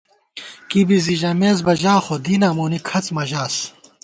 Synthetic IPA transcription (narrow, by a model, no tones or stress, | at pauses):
kibiziʑɐmeːzbɐʑaːχod̪iːnamoːnikʰɐt͡smɐʑaːs